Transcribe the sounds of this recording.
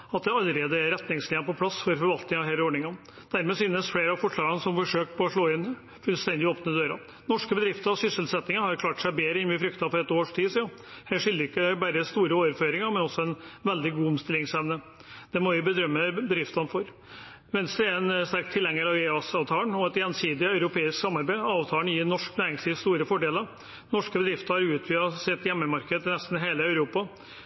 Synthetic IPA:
ɑt̪̚d̪ɛɑləɾeːd̪əɛɾɛt̪nɪŋslɪːʋnpɔpʰlɑsfɔɾfɔɾʋɑlt̪nɪŋɑʋɦeːləɔːɖɳɪŋən | d̪̥æɾmeːsyːnːəsfleːɾɑfɔʂɭɑːɡɑnəsɔmfɔʂøːkpʰɔɔʂɭoːɪn | fʉlst̪ɛnd̪ɪoːpnəd̪øːɾɑ̰ | nɔʂkəbəd̪ɾɪft̪əɾɑsʏsəlsɛt̪nɪŋəhɑɾkʰlɑːʈsæɪbeːɾəɪnʋɪfɾʏkt̪ɑfɔɾɛt̪oːʂʈʰiːsiːɑ | hæːʂɪlːəɾɪkːəbæɾəst̪uːɾəoːʋəɾføːɾɪŋɑɾmɛnɔsːɔɛnʋɛld̪ɪɡuːɔmst̪ɪlːɪŋsɛʋnə | d̪̥ɛmɔʋɪbəd̪ɾœmːəbəd̪ɾɪft̪ɑnfɔɾ | ʋɛnst̪ɾəæɾɛnst̪æɾk̚t̪ʰːɪlːɛŋːəɾɑʋeːɑsɑʋt̪ʰɑːəɳɔɛt̪jɛnsiːd̪ɪœʉɾʊpʰeːɪsksɑmːɑɾbæɪɑːʋt̪ʰɑːəɳjiːɾnɔʂknæːɾɪŋsliːʋst̪uːɾəfɔɖeːləɾ | nɔʂkəbəd̪ɾɪft̪əɾhɑɾʉːt̪ʰʋyːɑsɪt̪jɛmːəmɑɾkəd̪əɪnɛst̪n̩ɦeːləœʉɾuːpɑ

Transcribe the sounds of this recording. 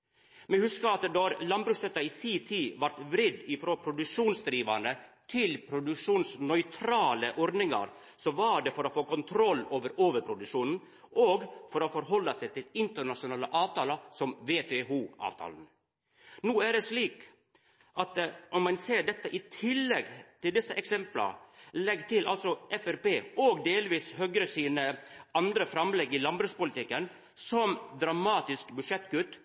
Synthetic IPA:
mɛhʉskəɾɑt̪d̪ɔɾlɑnbɾʉːst̪œt̪ːɑɪsiːt̪ʰiːʋɑɾʈ̪ʋɾɪd̪ɪfɾoːpʰɾʊd̪ʉkʂuːnsd̪ɾiːʋɑnət̪ʰɪlpʰɾʊd̪ʉkʂuːnsnœʏt̪ʰɾɑːləʔɔɾd̪nɪŋɑ̰ɾ | sɔʋɑɖɛfɔɾɔfoːkʊnt̪ʰɾɔloːʋəɾoːʋəɾpʰɾʊd̪ʉʂuːnn̩ | ʔoːɡfɔɾɔfɔɾɦɔlːɑsæɪt̪ʰɪlɪnt̪əɳɑʂʊnɑːləʔɑːʋt̪ʰɑːlɑsɔmʋeːt̪ʰeːuːʔɑ̰ːʋt̪ʰɑ̰ːln̩ | nuːæɖɛsɭiːk | ʔɑt̪ɔmmɑnseːɖɛt̪ːəʔɪt̪ʰɪlːɛɡt̪ɪld̪ɪsːəʔɛksɛmplə̰lɛɡt̪ɪlʔɑ̰lsɔʔɛfæɾpeːoːɡd̪eːlʋiːshœɡɾəsiːnəʔɑnd̪ɾəfɾɑmlɛɡːɪlɑnbɾʉːspʊlɪt̪ɪkːən | sɔmd̪ɾɑmɑːt̪ɪskbʉʂɛt̪ːɡʉt̪ː

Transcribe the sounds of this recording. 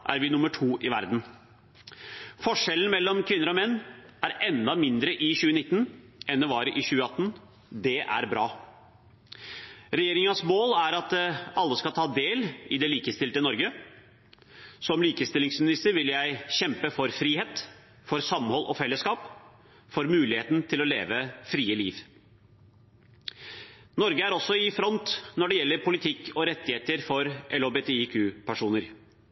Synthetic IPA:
ʔæ̰ɾʋɪnʊməʈʰuːʔɪʋæ̰ɾd̪n̩ | fɔʂɛlən̩mɛlːɔmkʰʋɪnːəɾɔmɛnːʔæɾɛnd̪ɑmɪnd̪ɾəʔɪɕʉːənɪt̪ːnʔɛnd̪ɛʋɑːɾəʔɪɕʉːəɑt̪ːn | d̪ɛʔæ̰ɾbɾɑː | ɾɛjeːɾɪŋɑsmoːlæɾɑt̪ɑlːəskɑlt̪ʰɑːd̪eːlɪd̪ɛliːkəst̪ɪlt̪ənɔɾɡə | sɔmliːkəst̪ɪlɪŋsmɪnɪst̪əɾʋɪljæɪɕɛmpəfɔɾfɾiːheːt̪ | fɔɾsɑmhɔlʔɔ̰fɛlːəskɑːp | fɔɾmʉːlɪheːt̪nt̪ʰɪlɔlḛːʋəfɾiːəlḭːʋ | nɔɾɡəæɾɔsːɔɪfɾɔnt̪nɔɖɛjɛlːəɾpʰʊlɪt̪ʰɪkːɔɾɛt̪ːɪheːt̪əɾfɔɾʔɛlobet̪ʰeikʰʉːpʰæʂuːnəɾ

